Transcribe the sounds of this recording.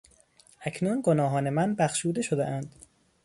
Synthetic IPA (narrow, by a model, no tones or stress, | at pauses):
ʔækʰnuːnɡonɒːɦɒːne̞mænbæxʃuːd̪e̞ʃod̪eʔænd̪